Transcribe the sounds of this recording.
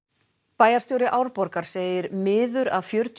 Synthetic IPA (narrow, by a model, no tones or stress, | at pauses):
paːjaɾst̪joːwɾɪʔaːwɾpɔɾkaɾ̥seːjɪɾmɪːðʏɾa̰ðfjʏɾt̪